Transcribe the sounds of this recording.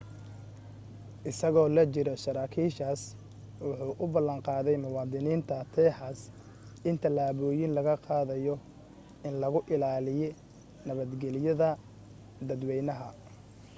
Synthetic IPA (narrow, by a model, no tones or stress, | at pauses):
ʔɪsɐɣɔːlɐt͡ʃɪɾɔʃɐɾaːkʰiːʃaːs | wʊħuːʔʊbɐlːɐɴqɑːðɛjmʊwɑːðɪniːnt̪ʰɐt̪ʰɛːħaːs | ʔɪnt̪ʰɐlaːβɔːjɪnlɐɣɐqɑːðɐjɔ | ɪnlɐɣʊʔɪlaːlɪjɛ | nɐβɐd̪ɡɛlɪjɐðɐ | d̪ɐd̪wɛjnɐɦɐ